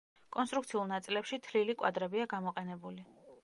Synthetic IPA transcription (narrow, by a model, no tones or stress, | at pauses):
kʼɔnst̪ʼɾuk̚t̪sʰiulˠnat̪sʼilɛpʃit̪ʰlilikʼwa̰d̪ɾɛbiaɡamɔqʼɛnɛbuli